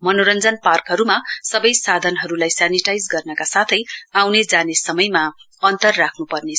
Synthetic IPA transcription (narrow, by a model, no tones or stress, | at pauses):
mʌnoɾʌnd͡zʌnparkɦʌɾumasʌbʌjsad̪ʱʌnɦʌɾulajsaniʈajd͡zɡʌrnʌkasat̪ʰʌjawned͡zanesʌmʌjma | ʌnt̪ʌrːakʰnupʌrne